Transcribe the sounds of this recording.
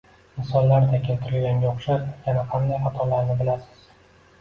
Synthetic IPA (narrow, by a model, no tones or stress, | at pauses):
ɪnsɒnlaɾt̪ʰakʲʰɪlt̪ʰɪɾɪlɡʲanɡʲaoχʃajanaqʰand̪ajχat̪ʰɒlaɾnɪbɪlasɪ̥z̥